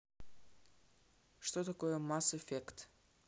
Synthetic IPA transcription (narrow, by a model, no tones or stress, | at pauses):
ʂt̪ot̪ɐkojəmasefʲekt̪